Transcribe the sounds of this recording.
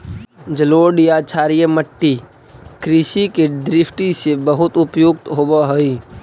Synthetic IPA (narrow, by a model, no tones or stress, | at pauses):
d͡ʒəloːɖjat͡ʃʰaːɾijəməʈːi | kɾiʃiked̪ɾɪpʰʈ̪isebəɦʊt̪ʊpjuɡ̚t̪ɦobəɦəi